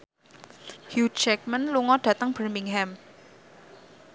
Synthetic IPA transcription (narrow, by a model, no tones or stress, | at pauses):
hjudt͡ʃɛk̚mənluŋɔɖ̥ä̤t̪əŋb̥ərmiŋɦɛm